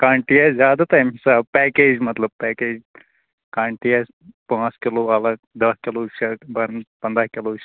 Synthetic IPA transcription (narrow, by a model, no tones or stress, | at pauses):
kãːɳʈiaszjaːd̪at̪ɐjmisaːbpɛːkeːd͡ʒmɐt̪lɐb̚pɛːkeːd͡ʒ | kaːɳʈijas | pãːskɪloːɐlɐ | d̪ɐskɪloːʃɐbɐɾnpɐ̃nd̪ɾaːkɪloːʃ